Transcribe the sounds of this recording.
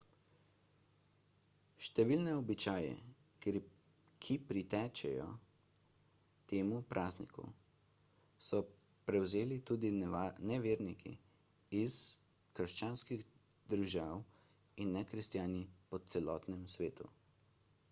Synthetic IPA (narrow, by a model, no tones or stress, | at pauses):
ʃt̪ɛʋiːlnɛɔbit͡ʃaːjɛ̰ | kʰipɾit̪ɛːt͡ʃɛ̰jɔ̰ | t̪eːmupɾʔaːznḭkṵ | sɔ | pɾɛwzeːlit̪ud̪inɛʋeːɾnikʰḭ | iz | kəɾʃt͡ʃaːnskiɣ | d̪əɾʒaːw | inːɛkɾist̪jaːnipɔt̪sɛlɔːt̪nɛmsʋeːt̪ṵ